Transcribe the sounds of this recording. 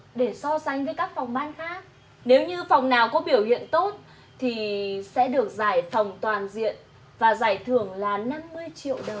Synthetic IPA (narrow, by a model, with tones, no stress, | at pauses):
ɗe˧˩sɔ˧sa˨˩jŋ̟vəː˨˦jkaː˦˥k̚fa˨˩wŋ͡mɓaː˧nxaː˦˥k̚ | ne˨˦wɲɨ˧fa˨˩wŋ͡mnaː˨˩wkɔ˨˦ɓi˧˩əwhḭ˧˨ənt̪o˦˥t̚ | t̪ʰi˨˩sɛ̰˧˥ɗɨ˨˩ək̚zaː˧˩jfɔ˨˩wŋ͡mt̪waː˨˩nzḭ˧˨ən | vaː˨˩zaː˧˩jt̪ʰɨ˧˩əŋlaː˨˩na˧mːɨ˧əjt͡ɕḭ˧˨əwɗə˨˩w